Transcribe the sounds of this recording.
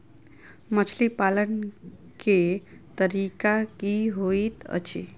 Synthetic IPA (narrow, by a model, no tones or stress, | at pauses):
mət͡ʃʰlipalən | ket̪əɾikakiɦoit̪ə̰t͡ʃʰḭ